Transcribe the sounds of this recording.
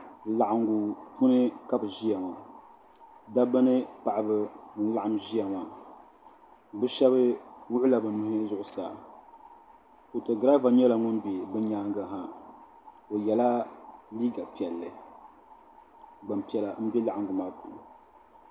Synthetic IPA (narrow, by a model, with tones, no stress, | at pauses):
la˨ʔa˨ŋɡu˨pu˦nɨ˦ka˦bɨ˨ʒi˦ja˨ma˨ | da˦bɨ˦nɨ˦pa˨ʔa˨bɨ˦ɨ˦n˦la˦˨ʔa˦˨mʒi˦a˨ma˨ | bɨ˦ʃɛ˦bɨ˦wʊ˦ʔʊ˦la˨bɨ˨nʊ˦hɪ˦zʊ˦ʔʊ˦sa̰ː˨ | ko˨to˨ɡɾa˦va˨ɲɛ˦la˨ŋʊ˦nbe˨bɨ˦ɲaː˦ŋɡa˨ɦa˦ | o˨jɛ˨la˦liː˦ɡa˨pi˨ɛ˨lːɨ˨ | ɡ͡ba˨mpi˨ɛ˨la˨m̩˦bɛ˦la˨ʔa˨ɡu˨maː˦pʰu˨n˨